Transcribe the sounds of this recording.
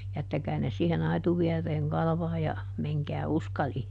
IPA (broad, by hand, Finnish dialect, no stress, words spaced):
jætːækæː ne siːhen ɑituʋiereːŋ kɑlɑ̆ʋɑːj jɑ meŋkæː uskɑliː